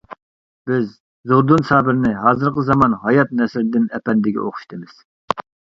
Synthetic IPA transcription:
b̥ɪz | zoɾd̪unsɑːbɪɾnɪɦɑːzɨɾqəzɑmɑnɦɑjɑt̪̚nɛsɪɾd̪ɪnɛpɛnd̪ɪɡʲɛ̰ʔoχʰʊ̥ʃt̪ʰɨmɪz̥

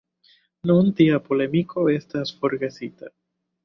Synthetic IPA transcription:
nuunt̪iapolemikʰo̞est̪asfo̞ɾɡe̞sit̪a

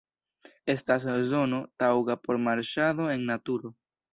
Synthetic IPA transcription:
e̞stas̬zo̞notawɡapo̞ɾmaɾʃaðo̞eŋnatuɾo

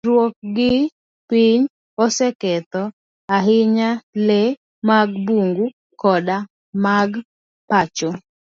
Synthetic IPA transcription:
ɾwok̚ɡɪ | piɲ | ɔsɛkɛt̪ɔ | aɦɪɲale | maɡbuŋɡu | kɔda | maɡ | pat͡ʃo

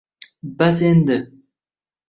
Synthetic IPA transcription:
basend̪ɪ

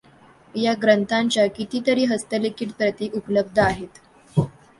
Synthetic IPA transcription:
jaɡɾənt̪ʰaɲt͡ɕjakit̪iːt̪əɾiːɦəst̪əlekiːʈpɾət̪iːʔupələb̚d̪ʱəaɦet̪

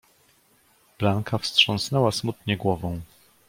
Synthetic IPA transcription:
b̥laŋkʰafstʂɔ̃ñsnɛwasmut̪ɲɛɡwɔvɔ̃w̃

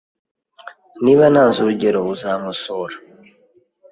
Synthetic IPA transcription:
niβanansuɾuɟeɾouzaːmusoːɾa

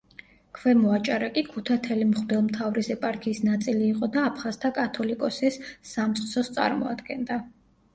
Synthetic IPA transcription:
kʰvɛmɔat͡ʃʼaɾakʼikʰut̪ʰat̪ʰɛlimχb̪ɛlˠmt̪ʰavɾisɛpʼaɾkʰiːsnat̪sʼiliːqʼɔd̪aːpʰχazt̪ʰakʼat̪ʰɔlikʼɔsisːamt̪sʼt̪sʰɔst̪sʼa̰ɾmɔ̰a̰d̪ɡɛ̰nd̪a

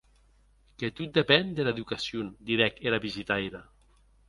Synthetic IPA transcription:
ket̪ut̪̚d̪epɛnd̪elaeðukasjund̪iɾɛkelaβizit̪ajɾa

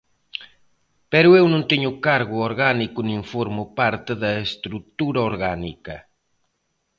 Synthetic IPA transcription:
pɛɾʊewnõnt̪eɲʊkaɾɣʊoɾɣanikʊnĩŋfoɾmʊpaɾt̪eðɐest̪ɾut̪uɾɐoɾɣanḭkɐ

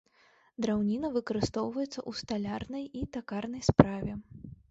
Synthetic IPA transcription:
d̪ɾawnʲinɐvɨkɐɾɨst̪ɔwvɐjɛt̪sɐʔust̪alʲarnɐjit̪akarnɐjspɾavʲɛ

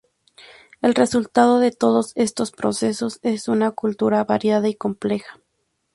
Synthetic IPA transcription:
e̞lre̞sult̪að̞oðe̞t̪o̞ð̞o̞se̞st̪o̞spɾo̰se̞so̞se̞sunakult̪uɾaβaɾjaðaiko̞mple̞xḁ

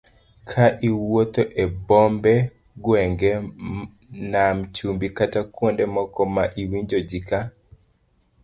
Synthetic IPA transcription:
kʰaʔiwot̪oʔebɔmbɛ | ɡwɛŋɡɛ | namt͡ʃumbikatakwondɛmɔkɔmaʔiwiɲd͡ʒod͡ʒika

